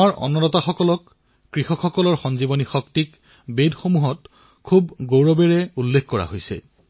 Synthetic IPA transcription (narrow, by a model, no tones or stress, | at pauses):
aɹʔɔ̰nɔnɔtaxɔkɔlɔkː | ɹixɔkxɔkɔlɔɹxɔnzibɔnixɔktik | bedxomuɦɔt | kʰub̚ɡowɹɔbɛɹɛulːekʰkɔɹa̰ɦojsɛ̰